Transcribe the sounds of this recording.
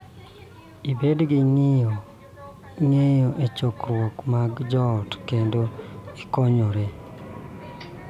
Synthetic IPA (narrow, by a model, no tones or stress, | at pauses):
ibedɡɪŋɪjo | ŋejoʔet͡ʃokɾwɔkmaɡd͡ʒɔtkendoikɔɲɔɾe